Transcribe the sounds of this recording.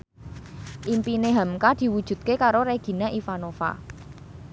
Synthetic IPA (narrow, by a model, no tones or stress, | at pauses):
ʔimpineɦamkad̪̥i̤wud̥ʒ̥ṳt̪̚kekaɾoɾeɡ̥i̤naʔifanofa̰